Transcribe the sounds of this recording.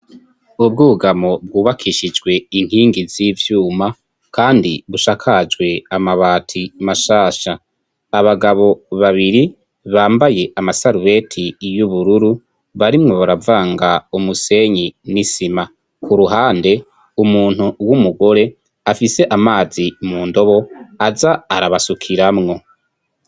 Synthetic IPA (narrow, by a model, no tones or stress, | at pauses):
ub̚ɡuːβuɡamo̞b̚ɡuːβakʰiʃid͡ʒɡwe̞iŋ̥hiːŋɡizivjuːma | kaːndiβuʃakʰad͡ʒɡwe̞amaβaːtʰimaʃaːʃaː | βaɡaβo̞βaβiɾi | βaːmbaje̞ʔamasaɾuwe̞tʰijuβuɾuɾu | βaɾimŋo̞βaɾavaːŋɡaumuse̞ɲinisima | kʰuɾuɦaːnde̞ | umuːn̥huwumuɡo̞ɾe̞ | afise̞ʔamaːzimuːndo̞βo̞azaːɾaβasukʰiɾamŋo̞